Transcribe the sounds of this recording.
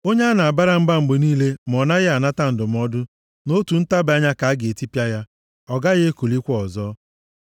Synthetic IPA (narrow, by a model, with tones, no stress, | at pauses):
o˦ɲe˦a˦na˨a˨ba˦ɾa˦m̩˦ba˦m̩˨ɡ͡be˨niː˦le˦m̩˨ɔ˨na˦ɣɪ˦a˨na˦ta˦n̩˨dʊ˨m̩˨˦ɔ˦dʊ˦ | no˦tu˨n̩˦ta˦ba˦ɲa˦ka˨a˦ɡe˨e˨ti˦pja˦ja˦ | ɔ˨ɡa˦ɣɪ˦e˦ko˨li˦kʷɔ˨zɔː˦